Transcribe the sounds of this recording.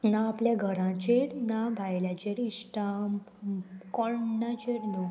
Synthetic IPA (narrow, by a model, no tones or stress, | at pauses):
nãːpljaɡʱəɾãt͡ɕeɾnãbʱajljat͡ɕeɾisʈam | kɔɾnat͡ɕeɾnu